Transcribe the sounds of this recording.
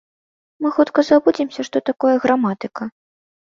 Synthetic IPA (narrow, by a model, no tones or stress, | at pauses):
mɨxut̪kɐzabud͡zʲimsʲɐʂt̪ɔt̪akɔjɐɣɾamat̪ɨkɐ